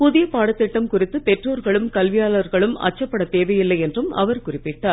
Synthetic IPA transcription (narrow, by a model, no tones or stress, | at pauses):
pʊðɪjɐpaːɽɐt̪ːɪʈːɐmkʊrɪt̪ːɯpɛʈroːɾɣɐɭɯmkɐlʋɪjaːlɐɾɣɐɭɯmɐ̰t͡ʃːɐpːɐɽɐt̪eːʋɐjɪlːɐɪjɛndrɯmɐ̰ʋɐɾkʊrɪpːɪʈːaː